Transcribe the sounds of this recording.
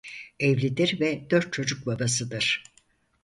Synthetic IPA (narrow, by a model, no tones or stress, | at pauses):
evlʲid̪iɾvɛd̪øɾt̪̚t͡ʃʰo̞d͡ʒuk̚babasɯd̪ɯɾ̥